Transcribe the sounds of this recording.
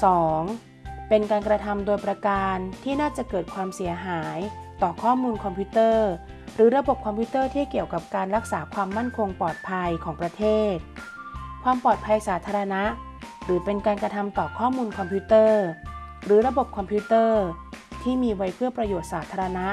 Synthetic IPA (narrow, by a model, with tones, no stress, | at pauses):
sɔː˩˦ŋ | pe˧nkaː˧nkɾa˧t̪ʰa˧mdoː˧jpɾa˧kaː˧nt̪ʰiː˥˩naː˥˩t͡ɕa˨˩kɤː˨˩t̪̚kʰwaː˧msi˩˦ɐɦaː˩˦jt̪ɔː˨˩kʰɔː˥˩muː˧nkʰɔ˧mpʰuː˦˥t̪ɤː˥˩ | ɾɯː˩˦ɾa˧bo˨˩p̚kʰɔ˧mpʰiː˦˥t̪ɤː˥˩t̪ʰiː˥˩ki˨˩əwka˨˩p̚kaː˧nɾa˦˥k̚saː˩˦kʰwaː˧mːa˥˩nkʰo˧ŋpɔː˨˩t̪̚pʰa˧jkʰɔː˩˦ŋpɾa˧t̪ʰeː˥˩t̪̚ | kʰwaː˧mpɔː˨˩t̪̚pʰa˧jsaː˩˦t̪ʰaː˧ɾa˧na˦˥ʔ | ɾɯː˩˦pe˧nkaː˧nkɾa˧t̪ʰa˧mt̪ɔː˨˩kʰɔː˥˩muː˧nkʰɔ˧mpʰuː˦˥t̪ɤː˥˩ɾɯː˩˦ɾa˧bo˨˩p̚kʰɔ˧mpʰuː˦˥t̪ɤː˥˩t̪ʰiː˥˩miː˧wa˦˥jpʰɯ˥˩əpɾa˧joː˨˩t̪̚saː˩˦t̪ʰaː˧ɾa˧na˦˥ʔ